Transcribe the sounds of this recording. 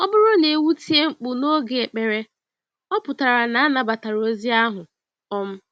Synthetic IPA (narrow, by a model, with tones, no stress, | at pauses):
ɔ˦bʊ˦ɾo˦ne˨wu˦ti˦e˦ŋ͡m̩˨k͡pʊ˨no˦ɡe˨e˨k͡pe˨ɾe˦ | ɔ˦pʊ˨ta˨ɾa˨na˨a˦na˨ba˨ta˨ɾo˦zi˦a˦ɦʊ˨ | ɔ˦m̩˦